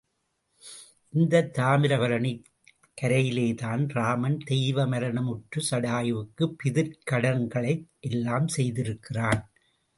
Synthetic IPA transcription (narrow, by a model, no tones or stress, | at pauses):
ʔɪnd̪ɐt̪ːaːmɪɾɐʋɐɾɐnɪ | kːɐɾɐjɪleːt̪aːnɾaːmɐnd̪ɛjʋɐmɐɾɐnɐmʊʈrɯsɐɽaːjʋɯkːɯpːɪðɪɾkɐɽɐnɡɐɭɐɪʔɛlːaːmsɛjðɪɾɯkːɪraːn